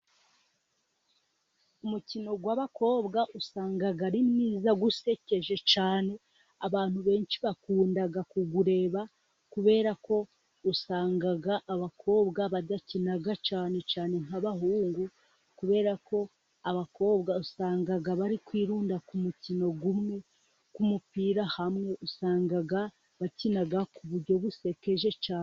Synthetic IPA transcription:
umucino̞ɡwaβako̞ːβɡaʔusaːŋɡaɡaɾimniːzaɡuse̞ce̞ʒe̞t͡ʃaːne̞ | aβaːn̥huβe̞ːnʃi̥βakuːndaɡakuɡuɾe̞ːβa | kuβe̞ːɾako̞ | usaːŋɡaɡaʔːβakʰo̞ːbɡaβad̪acinaɡat͡ʃaːne̞t͡ʃaːne̞ŋhaβaɦuːŋɡu | kuβe̞ːɾako̞ | aβako̞ːβɡausaːŋɡaɡaβaɾikwiːɾuːndakumutino̞ɡumŋe̞ | kumupiːɾahamŋe̞ʔusaːŋɡaɡa | βacinaɡakuβuɾɟo̞βuse̞ke̞ʒe̞t͡ʃaːn

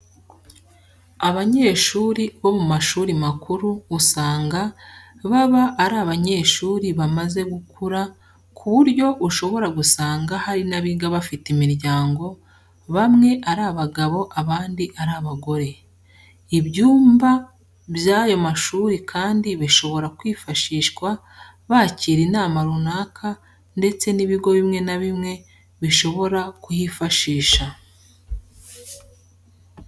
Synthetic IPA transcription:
aβaɲe̞ːʃuːɾiβo̞mumaʃuːɾimakʰuɾuːsaːŋɡaβaβaʔːɾaβaɲe̞ːʃuːɾiβamaze̞ɡukʰuɾa | kʰuβuɾɟo̞βuʃo̞βo̞ɾaɡusaːŋɡahaɾinaβiɡaβafitimiɾɟaːŋɡo̞ | βamŋe̞ʔaɾaβaɡaβo̞ʔaβaːndiʔaɾaβaɡo̞ɾe̞ | ibɟuːmba | βjajo̞maʃuːɾikʰaːndiβiʃo̞βo̞ɾakwiːfaʃiːʃkwa | βaciːɾinaːmaɾunaːkʰa | nde̞t͡se̞niβiɡo̞βimŋe̞naβimŋe̞ | βiʃo̞βo̞ɾakujifaʃiːʃa

